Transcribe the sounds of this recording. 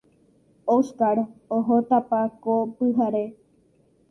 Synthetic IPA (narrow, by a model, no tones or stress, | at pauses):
oskaɽoɦot̪apakopɨɦaɾe